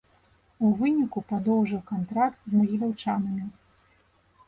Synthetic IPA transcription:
uvɨnʲikupad̪ɔwʐɨwkant̪ɾakt̪zmɐɣʲilʲawt͡ʂanɐmʲi

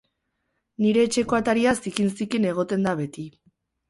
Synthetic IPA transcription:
niɾe̞ːt͡ʃe̞ko̞at̪aɾiasikinsikine̞ɣ̞o̞t̪e̞nd̪aβe̞t̪i

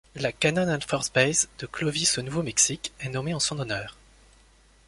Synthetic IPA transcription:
lakanananfɔʁsbɛjzd̪̥əklɔvisonuvomɛksikɛnɔmeɑ̃sɔ̃nɔnœːʁ

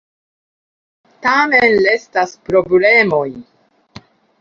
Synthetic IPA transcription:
tame̞nle̞staspɾo̞ble̞mo̞j

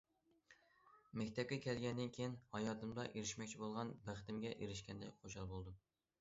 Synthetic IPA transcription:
mɛkʲt̪ʰɛp̚kʲɛkʲɛlɡʲɛnd̪ɪnkʲʰejinhɑjɑːt̪ɨmd̪ɑʔeɾɪʃmɛkʲt͡ʃʰibolˠʁɑnbæχt̪ɪmɡʲɛʔeɾɪʃkʲɛnd̪ɛ̰kʲχoʃɑlˠbolˠd̪u

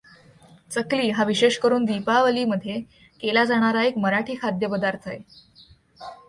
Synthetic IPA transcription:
t͡səkliːɦaʋiɕeɕkəɾuːnd̪ipaʋəliːməd̪ʱːje | kelad͡zaɽ̃aɾaekməɾaʈʰiːkʰad̪ʱjəpəd̪aɾt̪ʰae

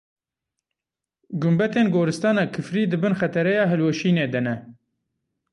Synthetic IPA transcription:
ɡʊmbɛt̪eːnɡoːɾɨst̪ɑːnɑkʰɨfɾiːd̪ɨbɨnxɛt̪ɛɾɛjɑːɦɨlweʃiːneːd̪ɨnɛ

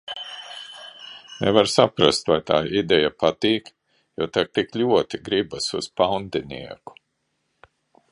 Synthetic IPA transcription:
nɛ̰vaɾsapɾast̪vajt̪a̰ːʔid̪ɛjapat̪iːk | jɔt̪ak̚t̪iklʲuɔt̪iɡɾibasuz̥pawnd̪ɛnḭɛku̥

